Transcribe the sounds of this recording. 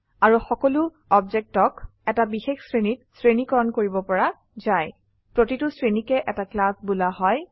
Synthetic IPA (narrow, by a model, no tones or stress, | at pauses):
aɹuxɔkɔlʊ | ɔbzɛk̚tɔkɛtabixexsɹenit̚sɹenikɔɹɔnkoɹibɔpɔɹa | zaj | pɹotitʊsɹenikɛʔɛtaklasbulaɦɔj